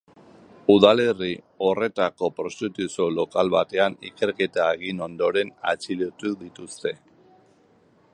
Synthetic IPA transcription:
uðale̞ri | o̞re̞t̪ako̞pɾo̞st̪it̪usolo̞kalβat̪e̞anḭke̞ɾke̞t̪aeɣ̞ino̞nd̪o̞ɾe̞na̰t͡siliot̪uðit̪ust̪e̞

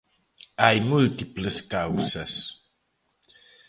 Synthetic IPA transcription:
ajmult̪ipləskawsas

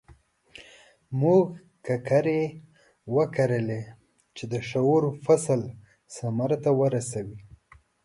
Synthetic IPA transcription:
muɡ | kakaɾe | wəkaɾəle | t͡ʃed̪əʃaoɾofasəl | samaɾt̪awəɾasawi

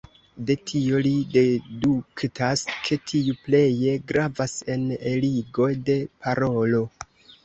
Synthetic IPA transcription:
de̞tʰio̞lide̞duktʰaskʰe̞tʰiuple̞je̞ɡɾavase̞neliɡo̞jde̞pʰaɾo̞lo̞

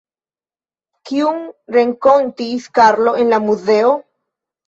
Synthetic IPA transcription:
kiuŋɾeŋkont̪iskaɾlo̞enlamuzeo

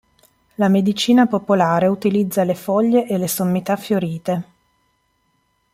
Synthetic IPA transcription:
lamed̪it͡ʃiːnapopolaːɾeut̪ilid̪zːalefɔʎːeʔelesomːit̪afːjoɾiːt̪e

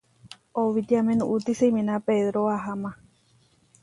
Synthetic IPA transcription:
oʋit̪iamẽnũʔut̪isemĩnãpeðɾoaɦamã

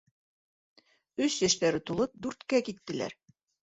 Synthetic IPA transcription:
ɵsjæʃt̪æɾɘt̪ulˠɤp̚d̪ʉɾt̪kækit̪ːɘ̆læ̰ɾ

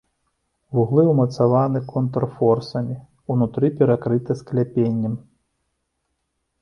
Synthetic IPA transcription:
vuɣlˠɨwmɐt̪savanɨkʰɔnt̪rfɔrsɐmʲi | unut̪ɾɨpʲɛɾakɾɨt̪ɐsklʲapʲenʲːɐm

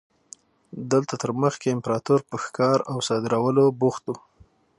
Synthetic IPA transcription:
d̪əlt̪at̪əɾməxkeɪmpɾɑt̪uɾpəxkɑɾawsɑd̪ɪɾawəlobuxt̪u

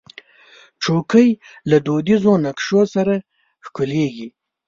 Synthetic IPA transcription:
ʈ͡ʂokʰəj | lad̪od̪izonakʂosaɾa | xkuleɡi

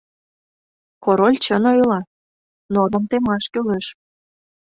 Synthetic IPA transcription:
koɾolʲt͡ɕənojlɑ | noɾomt̪emɑʃkyleʃ

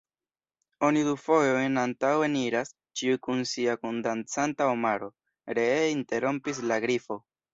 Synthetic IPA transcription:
o̞nidufo̞jo̞jnantawe̞niɾas | t͡ʃiukunsiakundant͡santaomaɾo̞ | ɾe̞inte̞ɾo̞mpis̬laɡɾifo̞

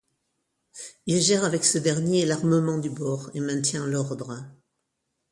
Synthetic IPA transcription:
ilʒɛʁavɛksəd̪ɛʁnjelaʁməmɑ̃d̪ybɔʁḛmɛ̃t̪jɛ̃lɔʁd̪ʁə

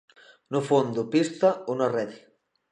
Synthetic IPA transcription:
nufond̪upist̪ɐunarɛði

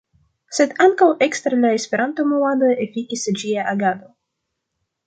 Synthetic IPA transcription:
se̞daŋkawʔe̞kst̪eɾelae̞spe̞ɾʔanto̞moadoefikʲisd͡ʒiaʔaɡad̪o̞

